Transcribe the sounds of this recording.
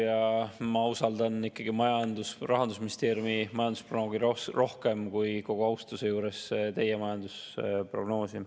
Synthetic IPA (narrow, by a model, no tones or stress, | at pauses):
jɑmɑusɑld̪ɑnikːˑɑɡ̥imɑjɑnd̪usrɑɦɑnd̪usminʲist̪e̞ːɾjumimɑjɑnd̪usprono̞ːɡiɾoro̞hke̞mkujko̞ɡ̥oɑwst̪usejuːɾe̞st̪e̞jemɑjɑnd̪us | pro̞ɡ̥no̞ːsim